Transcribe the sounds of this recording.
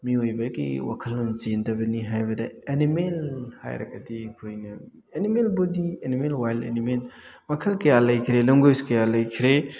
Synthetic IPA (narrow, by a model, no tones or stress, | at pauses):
miojbɐɡḭwa̰kʰɐlːont͡ʃentɐbɐniɦajbɐdɐenimelha̰jɾɐ̰kɐdikʰojnɐ | enimelbodienimelwajlḛnimel | mɐkʰɐlkɐjalɐjkʰiɾelɐmɡoskɐjalɐjkʰiɾe